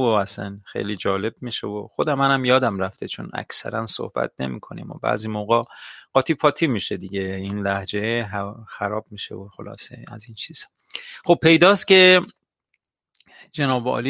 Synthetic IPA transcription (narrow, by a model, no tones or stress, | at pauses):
oæsænxḛjliːd͡ʒɒːle̞b̚miʃevoxod̪æmænæmjɒːd̪æmɾæft̪ʰet͡ʃʰo̰næ̰cʰsæ̰ɾænso̰hb̥æ̰t̪̚ne̞̰miːkʰo̞nḭmobæ̰ːzimoɣɑɢɒːt̪ʰipʰɒːt̪ʰiːmiːʃed̪iɟeinlæhd͡ʒe̞ɦxæɾɒːb̥̚miʃḛoxolɒ̰ːsḛæ̰zint͡ʃʰiːz̥ | χob̚pːe̞jd̪ɒːscʲe̞ | d͡ʒenɒːbɒ̰ːli